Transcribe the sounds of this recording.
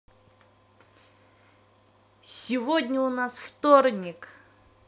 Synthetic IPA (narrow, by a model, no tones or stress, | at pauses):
sʲɪvodʲnʲəʊnasft̪ornʲɪk